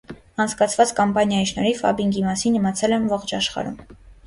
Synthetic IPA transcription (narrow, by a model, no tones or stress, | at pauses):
ɑnt͡sʰkɑt͡sʰvɑt͡skɑmpɑnjɑjiʃnɔɾifɑ̰biŋɡimɑsinːəmɑt͡sʰɛlɛmvɔχt͡ʃɑʃχɑ̰ɾṵm